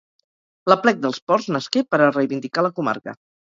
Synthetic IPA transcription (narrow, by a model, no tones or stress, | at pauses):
ləplɛk̚d̪əlˠspɔrznəskepəɾərəjβind̪ikaləkuma̰ɾkə̰